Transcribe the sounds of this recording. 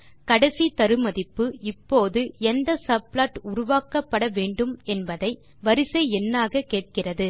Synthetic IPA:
kɐɽɐsit̪ɐɾɯmɐðɪpːɯɪpːoːðɯɛnd̪ɐsɐblaːʈʊɾʊʋaːkɐpːɐɽɐʋeːɳɖɯmɛnbɐðɐɪ | ʋɐɾɪsɐɪɛnːaːɣɐkeːʈ̚kɪrɐðɯ

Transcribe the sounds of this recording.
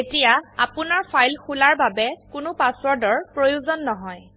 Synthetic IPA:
etijaa̰pʊnaɹpʰajlxʰulaɹbabɛkʊnʊpaswɔɹdɔɹpɹojuzɔnːɔɦɔj

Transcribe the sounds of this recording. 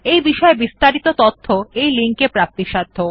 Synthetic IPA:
ejbiʃɔebist̪aɾit̪ot̪ot̪ʰːoejliŋkepɾap̚t̪iʃad̪ʱːo

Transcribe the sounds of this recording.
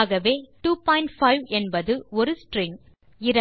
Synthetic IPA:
ɣɐʋeːʈuːpɔːɪɳʈfɐɪʋɛnbɐðɯɔɾɯsʈrɪŋ | ɪɾɐ

